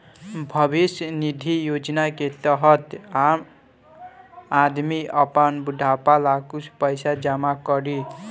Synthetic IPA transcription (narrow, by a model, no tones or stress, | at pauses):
bʱʌbisjnid̪ʱijod͡ʒnaket̪ʌɦʌt̪am | ad̪miʔʌpanbudʱapalakuspʌjsad͡ʒamakʌɾi